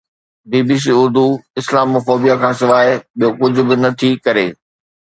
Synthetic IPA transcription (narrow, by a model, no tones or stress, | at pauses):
biːbiːs̬iːʊɾd̪uɪslaːmːɐfoːbijakʰãːsɪʋaːɪɓijokʊd͡ʑʱʊ̆bɪnɐt̪ʰikɐɾeː